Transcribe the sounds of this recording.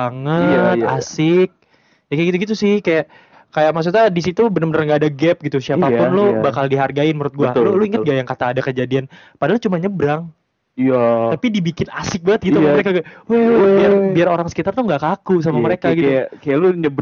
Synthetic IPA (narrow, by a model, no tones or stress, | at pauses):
aŋət̪asɪk̚ | d͡ʒaɡaɡit̪uɡit̪̬usɪhkajaʔ | kajaʔmas̬ut̪adis̬it̪ubənəmbənərŋɡaːdaɡɛp̚ɡit̪usiapapʊnlobakaldiɦarɡaɪnməɾʊt̪̚ɡualoluiŋət̪ŋɡajaŋkat̪aːdakəd͡ʒadian | padalʊt͡ʃumaɲəbɾaŋ | aapidibikɪnasɪk̚bəŋət̪̚ɡit̪uaəɾekaɡwebiarbiaroɾaŋsə̥kit̪art̪uŋɡaʔkakus̬amaməɾekaɡit̪kajaluɲəb